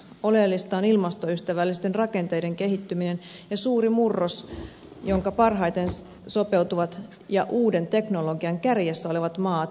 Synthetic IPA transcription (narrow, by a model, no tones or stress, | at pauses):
o̞lelːist̪ɑːnilmɑst̪o̞yst̪æʋælːist̪enrɑke̞nt̪e̞jde̞ŋke̞ɦit̪ːyminen | jɑsuːrimurːos | jo̞ŋkɑpɑrɦɑjt̪e̞n | so̞pe̞wt̪uʋɑt̪ | jɑʔuːde̞nt̪e̞knolo̞ɡiɑŋkærjæsːæoliʋɑt̪mɑːt̪